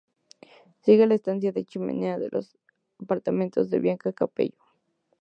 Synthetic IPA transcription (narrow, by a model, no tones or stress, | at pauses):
siɣelaest̪ansjaðet͡ʃimḛneaðḛlʔos | apaɾt̪amẽnt̪ozðḛβjaŋkakapḛjo̥